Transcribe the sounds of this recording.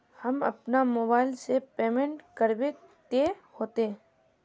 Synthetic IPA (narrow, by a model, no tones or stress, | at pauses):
hɐmɐ̰pnamoːbaːɪlsepeːmẽːɳʈkəɾbe | t̪ehoːt̪eɦɛ̃